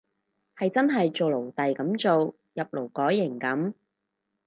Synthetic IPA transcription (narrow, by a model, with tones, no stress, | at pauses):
hɐ˨jt͡sɐ˥nɦɐ˨jt͡so˨wlo˨˩wt̪ɐ˨jkɐ˨˥mt͡so˨w | jɐ˨p̚lo˨˩wkɔː˨˥jːɪ˨˩ŋkɐ˨˥m